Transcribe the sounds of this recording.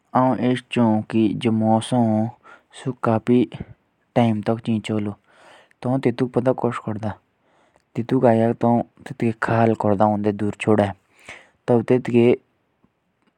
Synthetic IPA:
aũːʔeːst͡ʃõkid͡ʒəmõːsã | sʊkaːpiː | ʈaːimt̪ɔkt͡ʃĩːt͡ʃoːloː | t̪ɔũːt̪ɪt̪uːk̚pəd̪aːkɔʃkɔɾd̪aː | t̪ɪt̪uːkaːjakt̪ɔ̃t̪ɪt̪keːkʰaːlkɔɾd̪aːõnd̪eːd̪uːɾt͡ʃʰoːɽa | t̪ət̪ɪt̪keː

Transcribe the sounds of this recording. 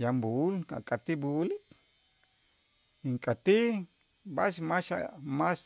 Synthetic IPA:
jambuula̰kʼat̪ibuʔulik | iŋkʼat̪i | baʃmaʃamas

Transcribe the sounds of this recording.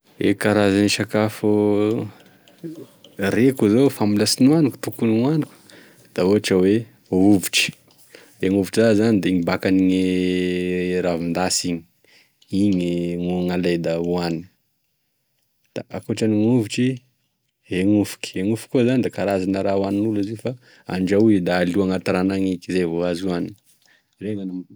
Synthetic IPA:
ḛkaɾazaniʃakafu | rekuzofamulasinuaniku̥t̪ukuniŋaniku̥ | d̪̥aoɦaʈ͡ʂəwe | ouvuʈ͡ʂi̥ | eŋuviʈ͡ʂiazanid̪eɲibakaniɲe | ɾavind̪asiɲi̥ | iɲiŋuaŋaled̪auanin | d̪̥a̰ʔakoʈ͡ʂaniŋuvuʈ͡ʂi | ɦeŋufu̥ki̥eŋufu̥kuzanid̪ekaɾazanəɾauaninulizefa | a̰ɳd͡ʒauid̪aːliaŋat̪aɾanaŋikizevoazuani | reŋanam

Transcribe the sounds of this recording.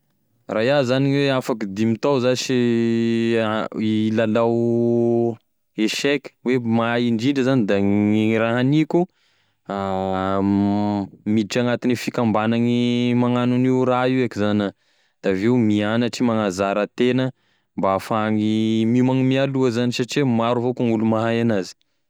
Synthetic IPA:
rajazaniɲweafakid̪imit̪awzasi | ilalaw | eʃɛki̥wemaiɳɖ͡ʐiɳɖ͡ʐəzanid̪airaɦanikʲu | a | mid̪iʈ͡ʂaŋat̪inifikambanaŋimaŋanuniuɾaiwakizanə | d̪̥aveumianəʈ͡ʂimaŋazaɾat̪enə | mbaafaŋimimaŋimialuəzanisaʈ͡ʂiwemaɾuvokaŋulumaɦajanazi̥

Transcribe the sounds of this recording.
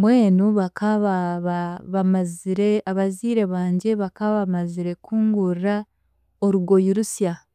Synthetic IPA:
mwe̞ːnuβakʰaβaβaβamaziɾe̞aβaziːɾe̞βaːɲɟe̞βakaβaβmaziɾe̞kʰuːŋɡuɾia | oɾuɡo̞juɾusja

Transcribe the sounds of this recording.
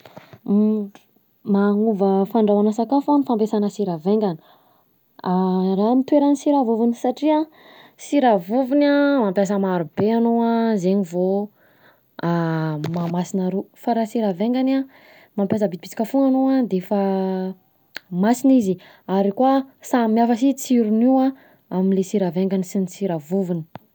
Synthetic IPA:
maŋuvəfaɳɖ͡ʐawanasakafanifampesanəsiɾaveŋɡani̥ | aramit̪weɾanisiɾavuvunisaʈ͡ʂia | siɾavuvunamampjas̬əmaɾubeanoazeɲivo | amamasinaɾufaɾasiɾaveŋɡana | mampjas̬əbid̪ipi̥t͡si̥kʲəfuŋanoad̪efa | masinizi | aɾikwasamiafəsit͡siɾuniwa | aminlesiɾaveŋɡanisinisiɾavuvini̥

